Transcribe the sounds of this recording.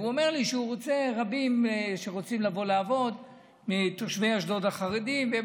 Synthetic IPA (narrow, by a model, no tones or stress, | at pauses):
uome̞ʁliʃeuʁot͡se̞ʁabimʃeʁo̞t͡simlavo̞laːvo̞d̪ | mit̪oʃvejaʃdo̞d̪aχaʁid̪imve